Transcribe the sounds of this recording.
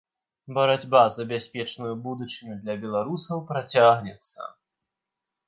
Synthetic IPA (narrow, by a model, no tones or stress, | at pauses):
bɐɾad͡zʲbazɐbʲasʲpʲɛt͡ʂnujubud̪ut͡ʂɨnʲud̪lʲɐbʲɛlˠaɾusɐwpɾat͡sʲaɣnʲɛt̪sːɐ̰